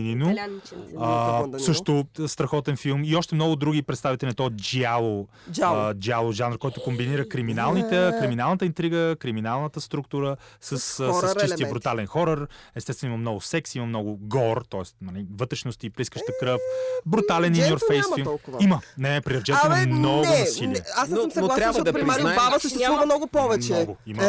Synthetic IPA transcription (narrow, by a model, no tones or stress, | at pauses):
ninʊ | əssɤʃt̪ʊst̪ɾɐxɔt̪ɛnfilˠmiɔʃt̪ɛmnɔɡʊd̪ɾuɡipɾɛt̪st̪avit̪ɛlʲinɛt̪ɔd͡ʒialˠo | d͡ʒialˠoʒanɾkɔjt̪ʊkombiniɾəkɾiminalˠnit̪ɛkɾiminalˠnət̪əint̪ɾiɡəkɾiminalˠnət̪əst̪ɾukt̪uɾə | səssəst͡ʃist̪ijəbɾut̪alɛnxɔɾəɾɛst̪ɛst̪vɛnoimɐmnɔɡʊsɛksiməmnɔɡʊɡɔɾt̪ɔɛst̪mɐnɛvɤt̪ɾɛʃnost̪ipliskəʃt̪əkɾəfbɾut̪alɛninjoɾfɛjsimˠkʊimənɛpɾiɐvd͡ʒɛɛnmmnɔɡʊnɐsiliɛasmsolˠaɾʲad̪abavəsəʃt̪ɛamnɔɡʊpɔvɛt͡ʃnɛɔɡʊimə